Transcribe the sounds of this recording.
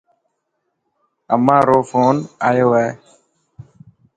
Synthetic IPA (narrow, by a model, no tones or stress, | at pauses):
əmãːɾoːfʰoːnaːjoːʋɛː